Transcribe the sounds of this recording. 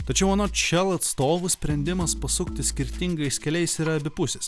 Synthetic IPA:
t̪ɐt͡ʃʲɛʊɐnoːt͡ʃʲɛlˠɐt̪st̪oːʋʊsʲpʲɾʲɛnʲd̪ʲɪmɐspɐsʊkt̪ʲɪsʲkʲɪɾʲt̪ʲɪŋɡɐɪsʲkʲɛlʲɛɪsɪɾɐɐbʲɪpʊsʲɛs

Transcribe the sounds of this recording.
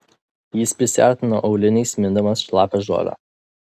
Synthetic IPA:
jɪspʲɾʲɪsʲɪɑɾʲt̪ʲɪnoːʔɒʊlʲɪnʲɛɪsmʲɪnd̪ɐmɐsʃlˠɑːpʲɛʒo̰ːʋʲæ̰

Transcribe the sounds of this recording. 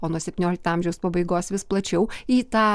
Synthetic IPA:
oːnuɔsʲɛpʲt̪ʲɪnoːlʲɪk̚t̪ɑːmʲʒʲɛʊspɐbɐɪɡoːsʋʲɪsplˠɐt͡ʃʲɛʊiːt̪ɑː

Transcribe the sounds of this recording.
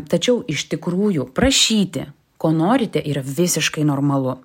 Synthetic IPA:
t̪ɐt͡ʃʲɛʊɪʃt̪ʲɪkɾuːjʊpɾɐʃʲiːt̪ʲɪ̰ | koːnoːɾʲɪt̪ʲɛʔiːɾɐʋʲɪsʲɪʃkɐɪnoːrmɐlˠʊ

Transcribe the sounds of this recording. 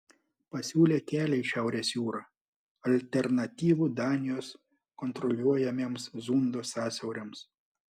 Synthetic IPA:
pɐsʲuːlʲeːkʲæːlʲɛɪʃʲæˑʊɾʲeːsjuːɾɐ | ɐlʲt̪ʲɛɾnɐt̪ʲiːʋuːd̪ɑːnʲɪjoːs | kɔnt̪ɾɔlʲuɔjɛmʲeːmszund̪oːsɑːsʲɛʊɾʲems

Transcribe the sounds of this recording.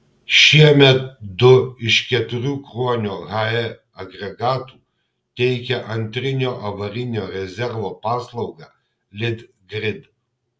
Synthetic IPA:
ʃʲiɛmʲɛt̪̚d̪ʊɪʃkʲɛt̪ʊɾʲuːkɾuɔnʲoːɣɐɛ | ɐɡɾʲɛɡɑːt̪uː | t̪ʲɛɪkʲɛʔɐnʲt̪ʲɾʲɪnʲoːʔɐʋɐɾʲɪnʲoːɾʲɛzʲɛɾʋoːpɑːslˠɐʊɡɑ | lʲɪd̪ | ɡɾʲɪd̪

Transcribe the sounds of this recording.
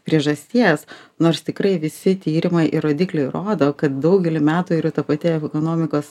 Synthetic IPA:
pʲɾʲiɛʒɐsʲt̪ʲiɛsnoːrst̪ʲɪkɾɐɪʋʲɪsʲɪt̪ʲiːɾʲɪmɐɪʔɪɾoːd̪ʲiːklʲɛɪɾoːd̪oːkɐt̪̚d̪ɐʊɡʲɛlʲɪmʲæːt̪uiɾʊt̪ɐpɐt̪ʲeːɛɛkoːnoːmʲɪkoːs

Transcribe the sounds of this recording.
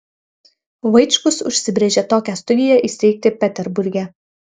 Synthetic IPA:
ʋɐɪt͡ʃkʊsʊʃʲsʲɪbʲɾʲeːʒʲɛt̪oːkʲæst̪ʊd̪ʲɪjɛʔɪsʲt̪ʲɛɪk̚t̪ʲɪpʲɛt̪ʲɛɾbʊɾʲɡʲɛ

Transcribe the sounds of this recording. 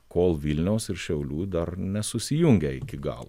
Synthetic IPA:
koːlˠʋʲilʲnʲɛʊsɪɾʃʲɛʊlʲuːd̪ɐɾnʲɛsʊsʲɪjʊŋʲɡʲɛɪ̰kʲɪɡɑ̰ːlˠ

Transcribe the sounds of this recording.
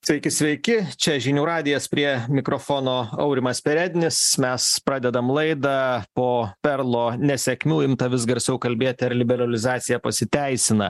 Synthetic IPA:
sʲʋʲɛɪkʲɪsʲʋʲɛɪkʲɪt͡ʃʲɛʒʲɪnʲuːɾɑːd̪ʲɪjɛspʲɾʲiɛmʲɪkɾoːfoːnoːɐ̰ʊɾʲɪmɐspʲɛɾʲæːd̪ʲnʲɪsmʲɛspɾɑːd̪ʲɛd̪ɐmlˠɐɪd̪ɐpoːpʲɛɾlˠoːnʲɛsʲɛkʲmʲuːɪmt̪ɐʋʲɪsɡɐɾʲsʲɛʊkɐlʲbʲeːt̪ʲɐɾlʲɪbʲɛɾɐlʲɪzɑːt̪sʲɪjɛpɐsʲɪt̪ʲæɪsʲɪnɐ

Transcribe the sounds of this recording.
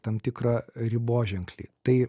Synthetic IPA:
t̪ɐmt̪ʲɪkɾɐɾʲɪboːʒʲɛŋklʲḭt̪ɐɪ

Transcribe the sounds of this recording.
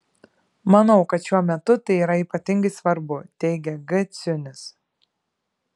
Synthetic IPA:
mɐnɐʊkɐt̪ʃʲuɔmʲɛt̪ʊt̪ɐɪiːɾɐiːˑpɐt̪ʲɪŋɡɐɪsʋɐɾbʊt̪ʲɛɪɡʲɛɡɐt̪sʲʊnʲɪs

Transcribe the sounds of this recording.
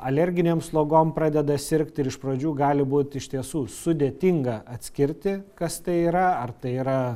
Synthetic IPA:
ɐlʲɛɾʲɡʲɪnʲeːmslˠoːɡoːmpɾɑːd̪ʲɛd̪ɐsʲɪɾʲkt̪ʲɪɾɪʃpɾoːd͡ʒʲuːɡɑːlʲɪbuːt̪ɪʃʲt̪ʲiɛsuːsʊd̪ʲeːt̪ʲiŋɡɐɐt̪ʲsʲkʲɪɾʲt̪ʲɪkɐst̪ɐɪiːɾɐɐrt̪ɐɪiːɾɐ

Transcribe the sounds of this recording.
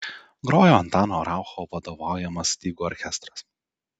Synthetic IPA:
ɡɾoːjoːɐnt̪ɑːnoːɾɑˑʊxoːʋɐd̪oːʋɑˑʊjɛmɐst̪ʲiːɡuːɔɾʲkʲɛst̪ɾɐs

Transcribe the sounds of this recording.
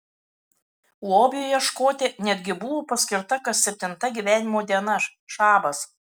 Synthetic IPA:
oːbʲjujɛʃkoːt̪ʲɪnʲɛd̪ʲɡʲɪbʊʋoːpɐsʲkʲɪɾt̪ɐkɐt̪sʲɛpʲt̪ʲɪnt̪ɐɡʲiːˑʋʲæːnʲɪmoːd̪ʲiɛnɐʃɑːbɐs

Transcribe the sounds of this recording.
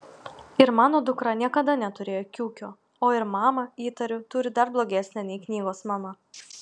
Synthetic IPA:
ɪɾmɑːnoːd̪ʊkɾɐnʲiɛkɐd̪ɐnʲɛt̪ʊɾʲeːjoːkʲuːkʲoː | oːɪɾmɑːmɐiːt̪ɐɾʲʊt̪ʊɾʲɪd̪ɐɾblˠoːɡʲɛsʲnʲɛnʲɛɪknʲiːɡoːsmɐmɐ

